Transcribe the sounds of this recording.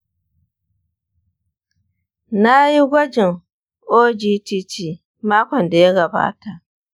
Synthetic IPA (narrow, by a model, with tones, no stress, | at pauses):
na˦ji˦ɡʷɐ˦d͡ʒɪ˨ŋ | ʔoː˦d͡ʒiː˦ti˦t͡ʃiː˨ | maː˦kʷɔ˨nda˨ja˦ɡɐ˨ba̰ː˦ta˨ʔ